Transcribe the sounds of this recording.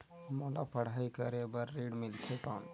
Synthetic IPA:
məlapəɽ̤ajkəɾebəɾːiɽmilt̪ʰet̪an

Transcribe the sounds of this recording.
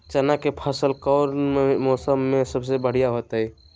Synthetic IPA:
t͡ʃənakepʰəsəlkɔʊɾmemɔsəmːẽsəbsebəɽ̤ijaɦot̪i

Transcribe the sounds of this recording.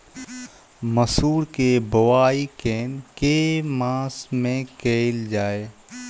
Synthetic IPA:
məsuːɾkebʊwaːikeːnkemãːsmẽkeːld͡ʒaːeː

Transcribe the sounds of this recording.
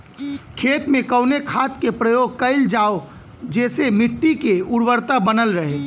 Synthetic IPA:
kʰeːt̪mẽkəʊnekʰaːt̪kepɾəjoːɡ̚kəɪld͡ʒaːo | d͡ʒɛːsemɪʈːikeʊɽwəɾt̪abənəlɾəɦe

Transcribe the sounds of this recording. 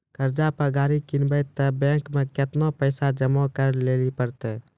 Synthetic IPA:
kəɾd͡ʒapəɡaːɾikinbət̪ːəbɛ̃ːŋkmeket̪nopəɪsad͡ʒəmɔkəɾleːlipəɾt̪ɛ

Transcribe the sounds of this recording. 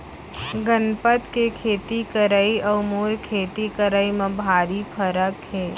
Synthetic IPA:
ɡənpət̪kekʰeːt̪ikəɾəiɐmoːɾkʰeːt̪ikəɾəimɐbʱaːɾipʰəɾəkɦeː

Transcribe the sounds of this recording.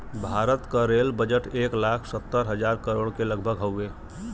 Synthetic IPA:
bʱaɾət̪kaɾelbəd͡ʒəʈeːklakʰsət̪ːəɾɦəd͡ʒaɾkəɾoːɽkeləɡ̚bʱəɡɦəʊe

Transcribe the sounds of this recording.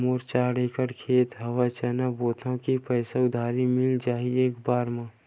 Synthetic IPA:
moːɾt͡ʃaːɽeːkəɽkʰeːt̪ɦɐwat͡ʃɛːnaboːt̪ʰõkipəːsaʊd̪ʱaːɾimɪld͡ʒaːɦieːkbaːɾmã

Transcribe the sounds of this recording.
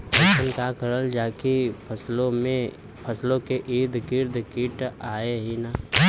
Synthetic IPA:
bəʃənkaːkəɾəld͡ʒaːkipʰəslõmẽ | pʰɐslõkeʔiːd̪kɪɾd̪kɪːʈaːeɦinaː

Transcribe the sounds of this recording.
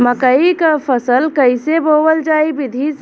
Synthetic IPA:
məkəikapʰəsəlkəɪsebowəld͡ʒaːibɪd̪ʱis

